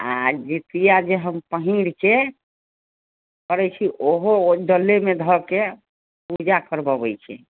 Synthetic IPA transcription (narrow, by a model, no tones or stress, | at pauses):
a̰d͡ʒit̪ijad͡ʒeɦəmpəɦiɽt͡ʃe | kəɾɛt͡ʃʰiʔoɦoɖəlːemed̪ʱɔke | pud͡ʒakəɾbɔbəjt͡ʃʰɛ̰